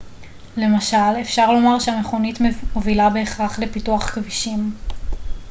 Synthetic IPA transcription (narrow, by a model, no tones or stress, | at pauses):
le̞maʃale̞fʃaʁlo̞maʁʃeame̞χo̞nitmovilabe̞eχʁaχle̞pituaχkviʃim